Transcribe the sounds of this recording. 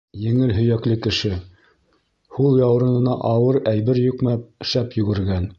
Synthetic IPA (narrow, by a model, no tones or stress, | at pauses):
jɘ̆ŋɘlɦɵ̆jæklɘkɘ̆ʃɘ | hulˠjɑwɾɤ̆nɤ̆nɑʔɑwɤɾæjβɘɾjukmæʃæpjɵ̆ɡɘ̆ɾɡæn